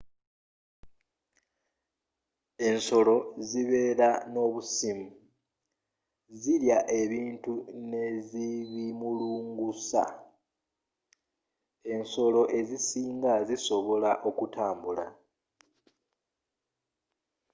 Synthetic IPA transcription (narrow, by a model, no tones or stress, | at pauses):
e̞nso̞lo̞ziβe̞ːɾano̞βusimu | ziɾjaʔe̞βiːntune̞ziβimuluːŋɡusa̰ | e̞nso̞lo̞ʔe̞zisiːŋɡaziso̞βo̞laʔo̞kutaːmbula̰